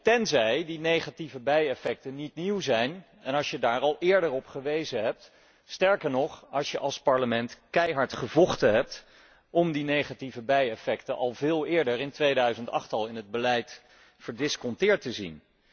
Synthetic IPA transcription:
tɛnzɛjdinejχativəbɛjɛfɛk̚tənitniwzɛjn | ɛnɑʃjədaːɹɑlˠɪːɹdəɹɔpχəʋejzəɦɛp̚t | stɛɹkəɹnɔχɑʃjəʔɑlˠspɑɹləmɛntkɛjɦɑɹtχəvɔχtəɦɛp̚t | ɔmdinejχativəbɛjɛfɛktənʔɑ̰lˠvɪːlˠɪːɹdəɹɪntʋejdœɥzəntɑ̰χtɑlˠɪnɦəd̚bəlɛjt | fəɹdɪskɔntɪːɹtəzḭn

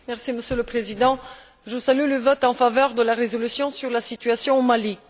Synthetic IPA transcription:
mɛʁsiməsjøləpχezid̪ɑ̃ | ʒəsalyləvɔt̪ɑ̃favœʁd̪əlaʁezɔlysjɔ̃syʁlasit̪ɥasjɔ̃omali

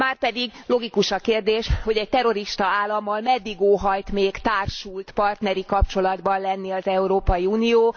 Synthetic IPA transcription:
maːrpɛd̪iɡlo̞ɡikuʃɒkeːrd̪eːʃho̞ɟɛc̚t̪ɛɾo̞ɾiʃt̪ɒaːlːɒmːɒlmɛd̪ːiɡoːɦɒjt̪meːkt̪aːrʃult̪pɒrt̪nɛɾikɒpt͡ʃo̞lɒd̪bɒnlɛnːiɒzɛuɾoːpɒjiuːnijoː

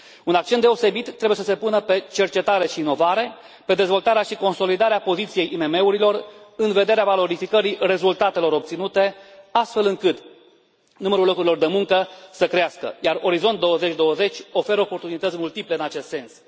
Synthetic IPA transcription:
unak̚t͡ʃet̪d̪e̞o̞se̞bit̪ːɾe̞buje̞səse̞punəpe̞t͡ʃe̞rt͡ʃe̞t̪aɾe̞ʃiːno̞vaɾe̞ | pe̞d̪e̞zvo̞lt̪aɾeaʃiko̞nso̞lid̪aɾeapo̞zit̪sije̞jʔime̞me̞uɾilo̞rɨnve̞d̪e̞ɾeavalo̞ɾifikəɾire̞zult̪at̪e̞lo̞ɾo̞p̚t̪sinut̪e̞ast̪fe̞lɨŋkɨt̪ | numəɾulo̞kuɾilo̞rd̪e̞muŋkəsəkɾeaskə̰jaroɾizo̞nt̪̚d̪o̞əze̞t͡ʃʲd̪o̞əze̞t͡ʃʲo̞fe̞ɾopo̞rt̪unit̪ət̪sʲmult̪iple̞ɨnat͡ʃe̞st̪se̞ns

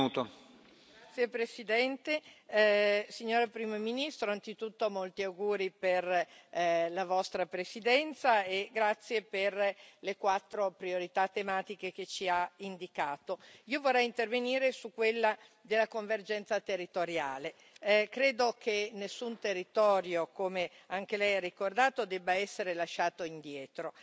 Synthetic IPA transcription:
ut̪o | ɡat̪sːjepɾesid̪ɛnt̪e | siɲːoːɾapɾiːmominist̪ɾoantsit̪ut̪ːoamolt̪iawɡuːɾiper | lavɔst̪ɾapɾesid̪ɛnt̪saeɡɾat̪sːjeperlekwat̪ːɾopɾioɾit̪at̪ːemaːt̪ik̟ek̟et͡ʃiaind̪ikaːt̪oiːovorːɛjint̪erveniːɾesukːwelːa | d̪elːakoɱverd͡ʒɛnt̪sat̪erːit̪oɾja̰ːle | kɾeːd̪okenːesːunt̪erːit̪ɔːɾjokome | aŋk̟elɛjarːikord̪aːt̪od̪ɛbːaɛsːeɾelaʃːaːt̪oind̪jɛːt̪ɾo

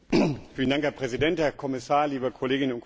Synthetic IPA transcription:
fiːlən̩daŋkhɛɐpʁ̥ɛzidɛnthɛːɐkʰɔmɪsaːɐliːbəkʰɔleːɡɪnənʊntk

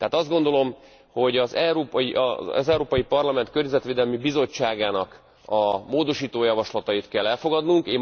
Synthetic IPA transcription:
t̪ɛɦaːt̪ɒzd̪ɡo̞nd̪o̞lo̞m | ho̞ɟɒzɛɾoːpjiʔzɛuɾoːpɒjipɒrlɒmɛnt̪kørɲɛzɛt̪ʋeːd̪ɛlmibizo̞t͡ʃːaːɡaːnɒk | ɒmoːd̪o̞ʃiːt̪oːjɒvɒʃlɒt̪ɒjit̪kɛlːɛlfo̞ɡɒd̪nuŋkeː

